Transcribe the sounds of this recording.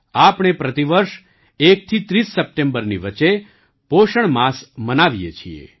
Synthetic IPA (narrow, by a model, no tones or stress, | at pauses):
apɳ̃epɾət̪iʋəɾʃ | ek̚t̪ʰit̪ɾisːəp̚ʈembəɾniʋət͡ʃe | poʃəɳmasmənaʋijet͡ʃʰiḛ